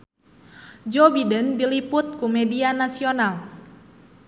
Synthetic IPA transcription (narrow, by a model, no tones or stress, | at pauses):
d͡ʒobidəndilipʊt̪̚kumɛdianasional